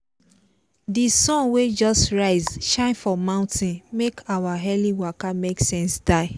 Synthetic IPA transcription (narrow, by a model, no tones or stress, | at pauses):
disɔ̃nwed͡ʒɔstɹaɪzʃãɪ̃nfɔmãʊ̃ntʰĩnmekʰawaɦɛliwakameksɛ̃nsd̥aɪ